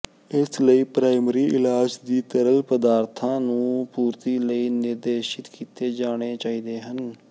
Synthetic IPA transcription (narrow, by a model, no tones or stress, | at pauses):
ɪsləiːpɾaːɪmɾiːʔɪlaːd͡ʒd̪iːt̪əɾəlpəd̪aːɾt̪ʰãːnũːpuːɾt̪iːləiːnɪɾd̪eːʃɪt̪kiːt̪eːd͡ʒaːɽ̃eːt͡ʃaːiːd̪eːɦən